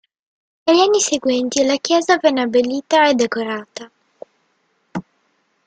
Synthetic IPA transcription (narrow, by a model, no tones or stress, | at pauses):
nelːianːiseɡwɛnt̪ilakjɛːzavɛnːeabelːiːt̪aed̪ekoɾaːt̪a